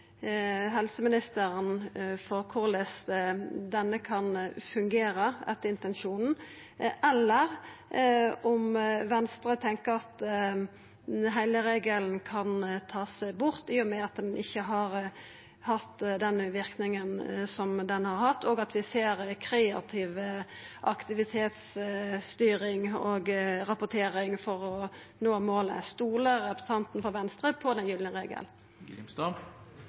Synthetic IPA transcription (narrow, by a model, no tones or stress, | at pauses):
ɦɛlsəmɪnɪst̪əɾənfɔɾkʰʊɾlɛs | d̪ɛnːəkʰɑnfʉŋɡeːɾəɛt̪ːəɾɪnt̪ɛnʃuːnn̩ | ʔɛlːəʁ | ɔmʋɛnst̪ɾət̪ʰɛŋkəɾɑt̪ | ɦæɪləɾeːɡəln̩kʰɑnt̪ʰɑːsæɪbʊɾt̪ɪːɔmɛɑt̪̚d̪ɛnʔɪçːəɦɑɾ | hɑt̪ːd̪ɛnʋɪɾknɪŋənsɔmd̪ɛnhɑɾhɑt̪ʰːɔːɡɑt̪ʰʋɪseːɾkʰɾeːɑ̰t̪ʰɪʋʔɑkt̪ɪʋɪt̪ʰeːt̪st̪yːɾɪŋoɡɾɑpʊʈ̪ʰeːɾɪŋfɔɾɔ | noːmoːlə̰st̪uːləɑpɾəst̪ʰɑnt̪n̩fɔɾʋɛnst̪ɾəpʰɔd̪ɛnjyːlɪʁḛːɡə̰l | st̪ɑ